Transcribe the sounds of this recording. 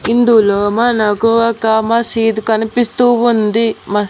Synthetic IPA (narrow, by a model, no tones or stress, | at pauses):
ind̪uloːmanɐkuɐkamɐsiːd̪ukɐnipist̪uːund̪imɐ